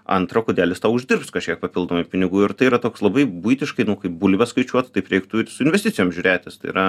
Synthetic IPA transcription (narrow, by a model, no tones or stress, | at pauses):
ɐ̰nt̪ɾoːkʊd̪ʲæːlʲɪst̪ɐːʊʊʒʲd̪ʲɪrpskɐʃʲkʲiɛk̚pɐpʲɪlˠd̪oːmɐɪpʲɪnʲɪɡuːɪɾt̪ɐɪiːɾɐt̪oːkslˠɐbɐɪbuɪt̪ʲɪʃkɐɪnʊkɐɪpbulʲɪbʲɛskɐɪt͡ʃʲuɔt̪t̪ɐɪpɾʲɛɪkt̪ʊɪɾsʊɪnʲʋʲɛsʲt̪ʲɪtt͡sʲɪjoːmʒʲuːɾʲæːt̪ʲɪst̪ɐɪḭɾɐ